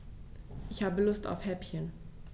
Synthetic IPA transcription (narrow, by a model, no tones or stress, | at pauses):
ʔɪçhaːbəlʊsta̰ʊfhɛpçən